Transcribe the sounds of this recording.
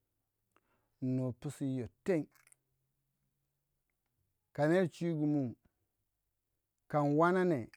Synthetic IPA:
no˨pu˦si˦jo˨te˦ŋ | ka˨ne˦˨t͡ʃi˦ɡu˨mu˦ | ka˨nwa˦na˦ne˨

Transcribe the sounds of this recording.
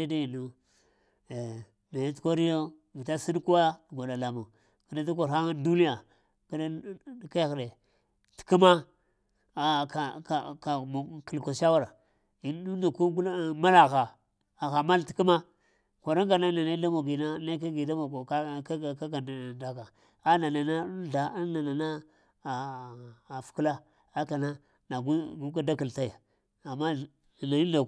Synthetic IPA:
e˦da˦ji˨no˦˨ | na˨ja˦tko˦ɾi˦jo˦ | vi˨ta˦si˦n˦ku˦wa˦dɡʷa˨da˨la˨mo˨ | ki˨da˦du˦k̬o˨ɾa˦ŋa˦du˦ni˦ja˨ | kdka˦xde˨ | ti̥˨ku˦ma˦˨ | ka˨ka˨ka˨m˨ki˨lko˨ʃa˦wa˦ɾa˨ | i˨˦u˦na˨ku˦ɡlma˦la˨ɣa˨ | a˨ɣa˨ma˦lti̥˨ku˦ma˦ | ka˨ɾa˦ŋɡa˨na˦na˨na˦da˦mo˨ɡi˨na˦na˦ka˦ɡi˨da˦mo˨ɡo˨˦˨ka˦ɡa˨nda˨ka˨ | a˦na˨na˨na˦ɬa˨˦na˨na˨na˦ | a˨ | fu̥˨ku˦la˦ | a˦ka˨na˦ | na˨ɡu˦ɡu˦ka˦da˦ki˨lta˦ja˨ | a˨ma˦˨ | na˨i˦da˨

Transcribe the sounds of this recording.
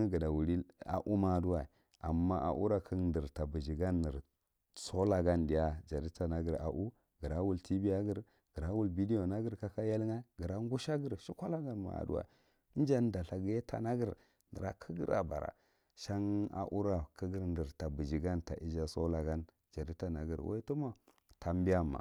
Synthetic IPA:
ɡə˨da˨wu˨ɾi˦a̰˨ʔu˦ma˦˨du˦wa˨i˨ | a˨mːa˦ʔa̰˨ʔṵ˦ɾa˨kʰə˦ndə˨ɾta˨bi˨d͡ʒi˨ɡa˦nːi˨ɾ | so˦la˨ɡa˦ndi˨ja˦d͡ʒa˨di˦ta˨na˦ɡə˨ɾa̰˨ʔu˦ | ɡə˨ɾa˦wu˨ltʰi˦bi˦ja˦ɡə˦ɾ | ɡ̥ə˨ɾa˦wu˦lbi˦di˦o˨na˦ɡə˦ɾka˦ka˦ja˦lŋa˦ɡə˨ɾa˦ŋɡu˦ʃa˦ɡə˦˨ɾʃi˦kʷa˦la˦ɡa˦nma̰˨a̰˨dṵ˦˨a̰˨˦ | d͡ʒa˦nda˨ɬa˨ɡi˦je˦ta̰˨na˦ɡə˦˨ɾ | ndə˨ɾa˨kʰə˦ɡḭ˦ɾa̰˨ba˨ɾa̰˨ | ʃa˦ŋa̰˨ʔu˦ɾa˨kʰə˦ɡə˦ɾndə˨ɾta˨bi˨d͡ʒi˨ɡa˦nta̰˨i˦d͡ʒa˦so˦la˨ɡa˦n | d͡ʒa˨ɾi˦ta˨na˨ɡə̰˨ɾwa̰˦tu˦ma˦ | tʰa˨mbi˦a˦mːa̰˨

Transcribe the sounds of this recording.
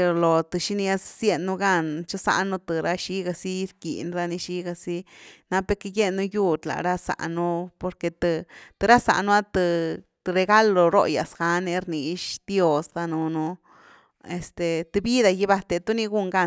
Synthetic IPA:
lo˨t̪ɨ˨ʃi˦ni˧a˦ssje˧nːu˧ɡa˦˧nt͡ʃa˦sa̰˧nu˦t̪ɨ˨ɾa˦ʃi˦ɡa˧si˦ɾkḭ˨nɾa˦ni˧ʃi˦ɡa˧si˦na˦pe˧ke˧je˦nːu˧ju˦d̪la̰˨ɾa˦sa̰˨ʔnu˦po˧ɾke˧t̪ɨ˧t̪ɨ˨˧ɾa˦sa̰˨nu˦a˦t̪ɨ˧ | t̪ɨ˧ɾe˧ɡa˦lo˨ɾo̰˦˧ja̰˨sɡa˧˦ne˧ɾni˧ʃd̪̥jo˦˧sd̪a˧nu˧nu˧ | e˨st̪e˨t̪ɨ˧bi˦d̪a˧ji˧ba˧t̪e˧t̪u˦ni˧ɡu˦˨ŋɡa˦˧

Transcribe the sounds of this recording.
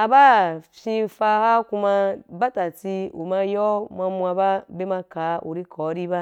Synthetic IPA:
a˨ba˦fʲi˧fa˧ha˦ku˧ma˧ba˦ta˨t͡si˧ṵ˨ma˧jɔ˦mʷa˧mʷ˧a˧ba˦be˦ma˧ka˨˦ʔṵ˨ɾi˦kʰɔ˨˦ɾi˦ba˦

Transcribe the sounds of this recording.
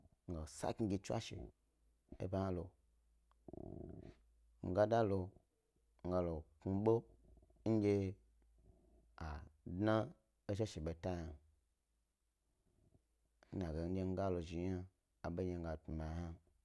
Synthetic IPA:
ŋ̩˨ɡa˨sa̰˦ki˧˦ɡʲi˧t͡ʃʷa̰˦ʃḛ˨ | ḛ˦ba˦hã˦lo˨ | ŋ̩˨ɡa˦da˦lo˧ | ŋ̩˨ɡa˧lo˨ku˧ɓo˦ | ŋ̩˦d͡ʒʲe˧ | a˨dna˦ | e˦ʃ̬e˦ʃe˨ɓe˨ta˦ja˨˦ | na˨ɡe˨n̩˦d͡ʒe˧ŋ̩˦ɡa˦lo˨ʒi˨ɲa˦ | a˨ɓe˦ɲe˧ŋ̩˦ɡa˨tu˨ma˨ja˦

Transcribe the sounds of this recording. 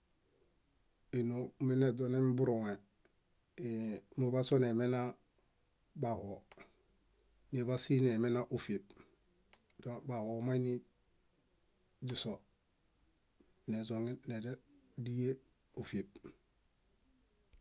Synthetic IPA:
i˨no˨mi˦ne˨do˨ne˦mbu˦ɾo˨ŋe˨ | mu˨ba˦so˦ne˨me˦na˦ | ba˨ho˨ | ni˨βa˦si˦ne˨me˦na˦ʔu˨fi˨b̚ | doba˨ho˨ma˦ini˦ | d͡ʒu˦so | ne˨zo˨ŋi˦ne˨de˦di˦je˦ | u˨fi˨b̚

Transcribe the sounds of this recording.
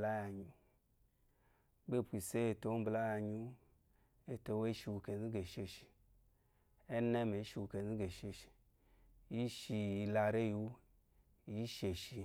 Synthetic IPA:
la˦ja˨ɲu˦ | be˦˨pʷi˨se˦e˨to˨˦bla˦ja˧ɲu˦ | e˨to˧we˦ʃi˧wu˧ke˨zi˦ɡe˨ʃe˧ʃi̥˨ | e˦ne˦me˨˦ʃi˧wu˧ke˨zi˦ɡe˨ʃe˧ʃi̥˨ | ji˦ʃi˧i˧la˧ɾe˦ju˨˧˦ | i˦ʃe˨ʃi˧

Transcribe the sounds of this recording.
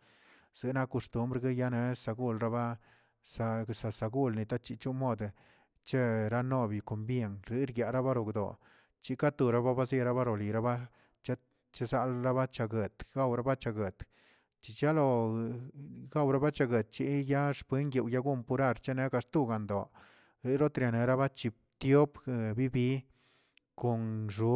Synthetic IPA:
z̥ɨ˨na˧ko˧st̪u˦mbɾɡe˦ja˦ne˧˦sa˧ɡu˦˧lɾa˦ba˦ | sa˧sa˧sa˧ɡu˦lni˨t̪a˦t͡ʃi˧t͡ʃu˦mo˦˨d̪ | t͡ʃe˦ɾa˦no˦˧bi˨ko˨mbje˧˨ŋɾi˨˦ɾɡja˨ʔɾa˦ba˦ɾo˨ɡd̪o̰˨ | t͡ʃi˧˦ka˦t̪u˧ɾa˦ba˦ba˦zi˧ɾa˦ba˦ɾo˨li˨ɾa˦ba˦ | t͡ʃe˦ | t͡ʃe˦za˧˦lɾa˦ba˦t͡ʃa˧ɡe˨t̪ɡa˦wɾa˦ba˦t͡ʃa˧ɡe˨t̪ | t͡ʃi˨t͡ʃa˦lo˧ | ɡa˦˨wɾa˦ba˦t͡ʃa˧ɡe˨t̪̚t͡ʃi˧˦ja˦ʂpe˦ŋɡje˧˨wja˦ɡu˦mpu˧ɾa˦˧ɾt͡ʃe˦ne˧˦ɡa˧st̪u˦˧˨ɡa˨nd̪o˨ | ɾi˧˦ɾo˦t̪ɾja˨ne˨ɾa˦ba˦t͡ʃi˧p̚ | t̪jo˦pbi˦bi˧˦ | ko˨nʐu˧

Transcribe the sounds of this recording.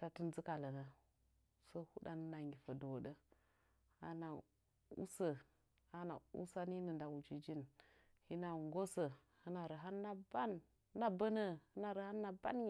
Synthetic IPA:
ta˨tu˦nzɨ˦ka˨lə˨na˨ | so˦hu˦ɗa˦n˦na˨ŋɡi˨fə˨do˨wɗə˦ | a̰˦na˨ | ṵ˦sə˨ | a˦na̰˨ṵ˦sa˦ni˦nə˨nda˨u˨t͡ʃi˨d͡ʒi˦n | hi˦na˨ŋɡo˦sə˨ | hɨ˦na˨ɾə˨ɦa˦nːa˦ba˦n˦ | na˦bə˦nə˦hɨ˦na˨ɾə˨ha˦nːa˦ba̰˦ni˨

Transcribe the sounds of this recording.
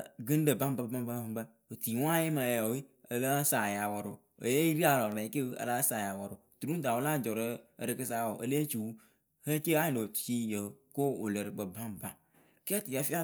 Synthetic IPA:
ɡi˦n˦ɖə˨bã˦m˦ba˦ba˦ba˦ã˦ba˦ | o˨t̪i˨wõ˦a˦je˦m˨a˨a˨wi˦ə˨la˦sa˨ja˨wɔ˨ɾo˨ | ḛ˨je˦i˦ɾi˦a˨la˨ã˨˦ke˦ə̰˨la˦sa˨ja˨wɔ˨ɾo˨t̪u˨ɾũ˦n˦t̪a˨wo˨lã˦˨d͡ʒɔ˨ɾə̰˦˨ɾə˨kə˦sa˦˨wo˨ʔḛ˨le˦t͡ʃu˨wu˦ | he˦ke˦a˦ɲ˨ɖo˨tu̥˨t͡ʃi˦je˨ko˦wo˨le˨ɾɡ͡bə˨bã˦mbã˦ | ka˦t̪i˨a˨fi˦a˦

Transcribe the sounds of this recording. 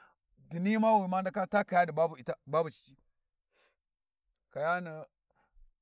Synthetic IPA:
di˨ni˦ma˦wi˨ma˦nda˦ka˦ta˦ka˨ja˦di˨ba˦bu˨i˨ta˦ba˦bu˨si˦ | ka˨ja˦nə˨

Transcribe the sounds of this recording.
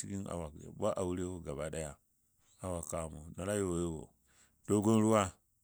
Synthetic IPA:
i˦ɡi˦na̰˨wa̰˨ba˦ʔa˨wu˦ɾe˦wo˦ɡa˨ba˨ɗa˦ja˨ | a˨wa˨ka˨mo˨no˨ɾa˦jo˨wwo̰˨ | do˦ɡo˦n˦ɾu˦wa˦

